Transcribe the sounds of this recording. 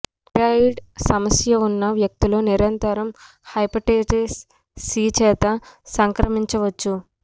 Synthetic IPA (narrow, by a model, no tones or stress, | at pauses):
pɾɐiɖsɐmɐsjɐunːɐʋjɐk̚t̪ilo̞ːniɾɐnt̪ɐɾɐm | hɐjpɐʈeːʈesː | iːt͡ʃɛːt̪ɐsɐŋkɾɐmiɲt͡ʃɐʋɐt͡ʃːu